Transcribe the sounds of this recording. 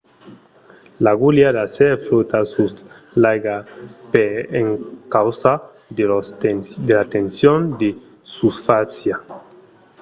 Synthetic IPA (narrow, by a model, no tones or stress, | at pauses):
laɣuljadasɛfɾot̪asus | lajɡapeeŋkawsa | d̪elat̪ensjond̪e | susfasja